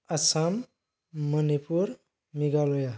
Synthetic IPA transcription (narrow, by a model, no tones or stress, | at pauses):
asamː | ənipuɾ | miɡaloja